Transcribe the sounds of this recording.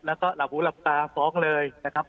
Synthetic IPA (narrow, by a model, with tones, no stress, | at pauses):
lɛː˦˥wkɔː˥˩la˨˩p̚huː˨˦˥la˨˩p̚t̪aː˧fɔː˦˥ŋlɤː˧jna˦˥kʰa˦˥p̚